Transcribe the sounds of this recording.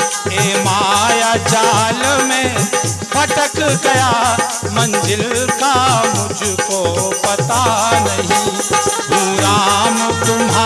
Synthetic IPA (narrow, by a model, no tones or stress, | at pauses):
emaːjad͡ʒaːlmẽpʰɐʈəkɡɐja | mɐ̃nd͡ʒɪlkamʊd͡ʒʱkopɐt̪anɐɦĩɡʱuɾamt̪ʊma